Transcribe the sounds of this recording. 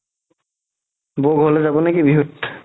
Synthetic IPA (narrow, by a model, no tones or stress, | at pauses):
boɡɦolezabonekibiɦut̪